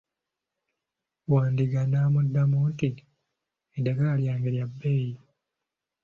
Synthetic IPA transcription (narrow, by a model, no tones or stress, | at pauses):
waːndiɡanamudːamuːti | edaɡaljaːŋɡeljabːeːji